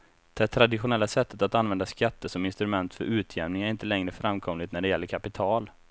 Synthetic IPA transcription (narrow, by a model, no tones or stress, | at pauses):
d̪̥ɛt̪ʰɾad̪ɪɧʊnɛlːasɛt̪ʰːət̪at̪anvɛnd̪askat̪ːəʂɔmɪnst̪ɾɵmɛnt̪fœɾʔʉ̟ːt̪ʰjɛvnɪŋæɾɪnt̪əlɛŋɾəfɾamːkʰɔmlɪt̪næɖɛjɛlːəɾkʰapɪt̪ʰɑːl